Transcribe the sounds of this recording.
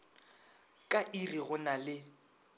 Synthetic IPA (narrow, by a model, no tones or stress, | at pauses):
kʼaʔiriɣʊnalɪ